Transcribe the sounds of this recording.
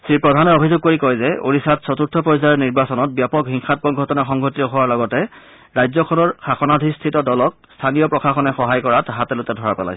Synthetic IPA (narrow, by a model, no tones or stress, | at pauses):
sɹipɹɔdʱanɛobʱizʊɡ̚koɹikɔjzɛo̰ɹisatsɔtuɹtʰɔpɔjsaɔniɹbasɔnɔt̚bjapɔkɦiŋxat̚pɔɡʱɔtɔnaxɔŋɡʱotitɔɦʊwaɹlɔɡɔtɛ | ɹajzɔkʰɔnɔɹxaxɔnadʱistʰitɔdɔlɔk̚ | stʰanijɔpɹɔkʰaxɔnɛxɔɦajkɔɹatɦatɛlʊtɛdʱɔɹapɛ̰la̰js